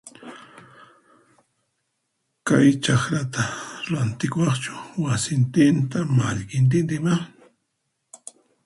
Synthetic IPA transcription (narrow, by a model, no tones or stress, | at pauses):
kajt͡ʃakɾat̪aɾant̪ɪkwɑχt͡ʃʊ̥wasɪnt̪ɪnt̪amaʎkɪnt̪̬ɪnt̪̬ɪma